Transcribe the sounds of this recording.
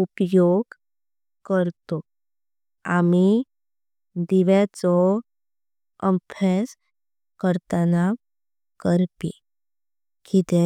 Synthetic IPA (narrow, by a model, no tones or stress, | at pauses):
upjoɡ | kəɾt̪ɔ | ami | d̪iʋat͡sɔ | əmpʰɛs | kəɾt̪ənaʋ | kəɾpḭ | kit̪ɛ